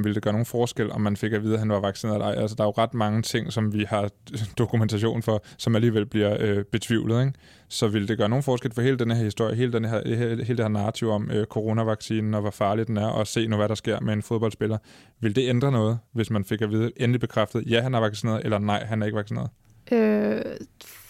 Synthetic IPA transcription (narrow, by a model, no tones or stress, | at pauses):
mʋe̝ləd̥eɡ̥ɶːɐno̝ːn̩fɒːsɡ̥el̰ɒ̽mːænfe̝ɡ̥æʋiːð̞ˠɦænʋɑ̈ʋɑ̈ɡ̥sine̝̰ɐɑ̈ɪ̰ʔælsəd̥ɑ̈æjo̝ʁɑ̈d̥mɑ̈ŋət͡sʰe̝ŋ̰sɒ̽mʋihɑ̈d̥o̝kʰument͡sʰæɕ̬o̝̰ːnfɒ̽sɒ̽mæliːʋel̰b̥liɐøb̥e̝t͡sʰʋiʊ̰lð̩ˠeŋ | sɒ̽ʋe̝ləd̥e̝ɡ̥ɶːɐno̝ːn̩fɒːsɡ̥el̰fɒ̽he̝̰ːld̥enəhɦeɐhisd̥o̝ɐ̰jəɦe̝̰ːləd̥enɦeɐheːld̥eheɐ̰nɑ̈ːt͡sʰiʊ̰ɒ̽møkʰo̝ʁo̝næʋɑ̈ɡ̥siːnn̩ɒ̽ʋɒfɑ̈ːlid̥enæɐʔɒ̽se̝̰ːnuʋæɾ̥ɑsɡ̥e̝ɐ̰mee̝nfoð̞ˠb̥ɒ̽l̰̥sb̥e̝lɐ | ʋe̝ld̥e̝end̥ʁɐnɔ̽ːð̞̩ˠʋe̝smænfe̝ɡ̥æʋiːðˠəʔenəlib̥e̝kʰʁafd̥əð̞̩ˠjæɦænæɐʋɑ̈ɡ̥sine̝̰ːɐð̩ˠelɐnɑ̈ɪ̰ɦænæɐe̝ɡəʋɑ̈ɡ̥sinḛːɐð̩ˠ | ø